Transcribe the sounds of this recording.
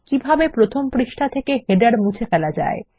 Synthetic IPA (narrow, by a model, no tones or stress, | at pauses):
kibʱabepɾot̪ʰompɾiʃʈʰat̪ʰekeɦeɖaɾmũt͡ɕʰefɛlad͡ʑa̰e